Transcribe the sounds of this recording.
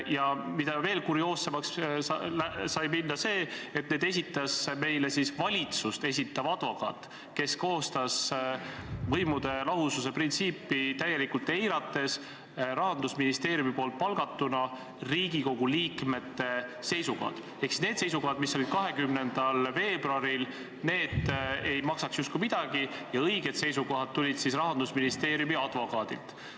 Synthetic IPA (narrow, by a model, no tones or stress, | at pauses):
jɑmid̪̥ɑve̞ːlkuɾio̞ːsːemɑkslæsɑjminːɑse̞ːet̪̚ned̪e̞s̬ʲit̪ːˑɑsme̞jle̞sisvɑlʲit̪sust̪e̞s̬ʲit̪ːˑɑvɑd̪̥vɑkɑ̰ːt̪ːˑ | ke̞sko̞ːst̪ɑs | vɤ̞jmud̪̥e̞lɑɦusus̬e̞print̪siːpːˑit̪æjːe̞likult̪ˑe̞jɾɑt̪ːˑe̞s | ɾɑɦɑnd̪usminist̪e̞ːɾjumipo̞ːlt̪̚pɑlɡɑt̪ːunɑ | riːɡ̥iko̞ɡ̥uliːkme̞t̪ːe̞se̞jsukɑ̰ːd̪̥ | e̞ksi̥sne̞ːd̪̥sejs̬uko̞ɦɑd̪misːo̞lʲid̪̥̚kɑɦe̞kymne̞nd̪̥ɑlve̞ːbrɾoɑɾil | ne̞ːd̪̥e̞jmɑksɑksjust̪kumid̪̥ɑɡ̥ijɑɤjɡ̥e̞d̪se̞jsuko̞ɦɑd̪̥̚t̪ːulʲid̪̥sisrɑɦɑnd̪̥usminist̪e̞ːɾjumiɑd̪̥vo̞kɑːd̪̥ḭlt̪